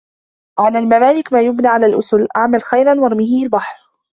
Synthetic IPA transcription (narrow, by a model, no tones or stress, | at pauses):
ʕalaːlmamaːlɪkmaːjʊbnaːʕalaːlʔʊsʊlʔaʕmalxajɾanwɑɾˤmɪhialbaħɾ